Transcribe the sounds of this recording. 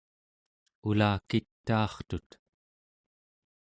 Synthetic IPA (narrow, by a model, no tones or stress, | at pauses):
ulaːkit̪ːɑːχt̪ut̪